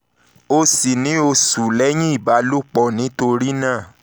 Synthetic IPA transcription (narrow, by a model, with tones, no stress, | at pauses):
o˧si˨nĩ˨˦o˧su˨lɛ˨˦j̃ĩ˦i˦˨ba˨˦lu˦k͡pɔ˦˨nĩ˨˦to˧ɾi˦nãː˦˨